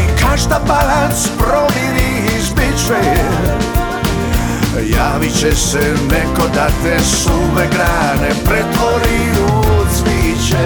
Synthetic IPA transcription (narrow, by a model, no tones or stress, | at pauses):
ikʰaʃd̪abalant̪spɾoviɾi | zbit͡ʃɛ | jaːʋit͡ʃɛsɛ | nɛkod̪at̪ɛsumɛɡɾaːnɛpɾɛt̪voɾijusʋit͡ʃɛ